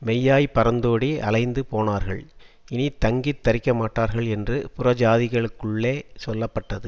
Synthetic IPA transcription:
mɛjːaːjpːɐɾɐnd̪oːɽiʔɐ̰lɐɪnd̪ɯpoːnaːɾɣɐ̰ɭ | ɪnit̪ɐŋɡɪt̪ːɐɾɪkːɐmaːʈːaːɾɣɐɭɛndrɯpʊrɐd͡ʒaːðɪɣɐɭɯkːɯɭːeːsɔlːɐpːɐʈːɐðɯ

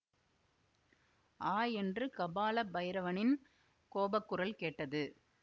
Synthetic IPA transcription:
ʔaːjɛndrɯkɐbaːlɐbɐjɐɾɐʋɐnɪn | koːbɐkːɯrɐlkeːʈːɐðɯ

